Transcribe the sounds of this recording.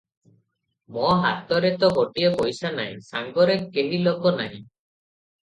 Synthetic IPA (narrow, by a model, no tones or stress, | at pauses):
mɔɦat̪ɔɾet̪ɔɦoʈiepɔjsana̰j̃saŋɡɔɾekeɦilokɔnaɦj̃